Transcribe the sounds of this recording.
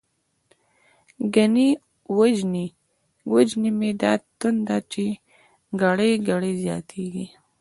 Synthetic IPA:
ɡani | wad͡ʒni | wəd͡ʒnimed̪ɑt̪ʊnd̪ɑt͡ʃe | ɡaɽeɡaɽezjɑ̰t̪ʰeɡi

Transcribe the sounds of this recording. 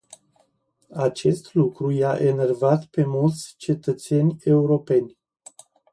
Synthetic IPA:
at͡ʃe̞st̪lukɾujaʔe̞ne̞rvat̪pe̞mult̪sʲt͡ʃe̞t̪ət̪se̞nʲe̞uɾo̞pe̞nʲ

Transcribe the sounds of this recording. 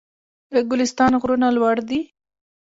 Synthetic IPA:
d̪əɡʊlɪst̪ɑnɣɾunalwaɽd̪i

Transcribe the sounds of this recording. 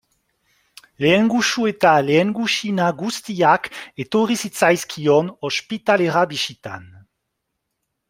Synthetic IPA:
leːŋɡuʃuet̪aleːŋɡuʃinaɡust̪iaket̪oʁisit͡sajskʰionospit̪aleʁabiʃit̪a̰n

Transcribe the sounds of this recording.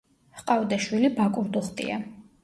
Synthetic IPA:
hqʼavd̪aʃwilibakʼuɾd̪ɔχt̪ʼḭa̰

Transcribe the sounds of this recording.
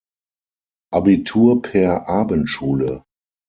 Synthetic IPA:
ʔabitʰuːɐpʰɛːɐʔaːbəntʃuːlə

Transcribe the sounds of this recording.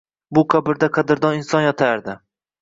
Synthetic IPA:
bʊqʰabɪɾd̪aqʰɑd̪ɪɾd̪ɒnɪnsɒnjɒt̪ʰaɾd̪ɪ

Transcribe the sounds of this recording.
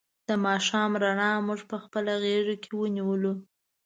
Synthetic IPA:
d̪̥əmɑʃɑmɾaɳɑmuʐpəxpəlaɣeʐakʰewəniwəlu

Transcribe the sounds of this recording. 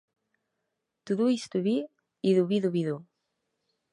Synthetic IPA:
t̪uðuist̪uβi | iðuβiðuβiðu

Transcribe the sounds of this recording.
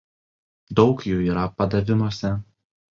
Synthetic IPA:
d̪ɒʊkjuːiːɾɐpɐd̪ɐʋʲɪnosʲɛ

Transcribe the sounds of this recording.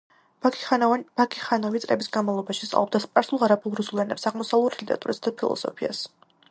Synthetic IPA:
b̥akʰiχanɔvit̪sʼɾɛbisɡanmavlˠɔbaʃi̥st̪ʼlˠɔb̪d̪aspʼaɾsulˠʁaɾabʰulˠɾusulˠɛnɛpsaʁmɔsavlˠut̪ʰit̪ɛɾa̰t̪ʼuɾasd̪apʰilˠɔ̰sɔ̰pʰia̰s

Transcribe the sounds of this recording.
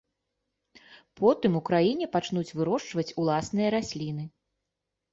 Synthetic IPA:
pʰɔt̪ɨmukɾajinʲɛpat͡ʂnut͡sʲvɨɾɔʂt͡ʂvɐt͡sʲulˠasnɨjɐɾasʲlʲinɨ

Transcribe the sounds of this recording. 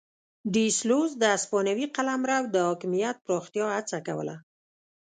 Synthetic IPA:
ɖislozd̪əaspɑnawiqalamɾawd̪əhɔkɪmijat̪̚pɾɑxt̪jɑat͡sakawə̰la̰

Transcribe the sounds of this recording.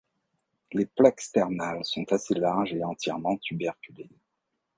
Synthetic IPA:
leplakst̪ɛʁnalsɔ̃t̪aselaʁʒeɑ̃t̪jɛʁmɑ̃t̪ybɛʁkʲyle

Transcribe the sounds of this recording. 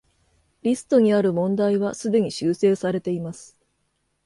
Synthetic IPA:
ɾʲisɨ̥t̪o̞ɲ̟iaɾɯ̟mõ̞nd̪aiβasɨd̪e̞ɲ̟iɕɨːse̞ːsaɾe̞t̪e̞imasɨ̥

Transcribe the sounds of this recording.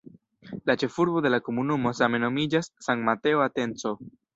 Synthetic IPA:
lat͡ʃe̞fuɾbo̞d̪e̞lako̞munumo̞same̞no̞mid͡ʒasːaŋtmat̪e̞oat̪e̞nt͡so̞

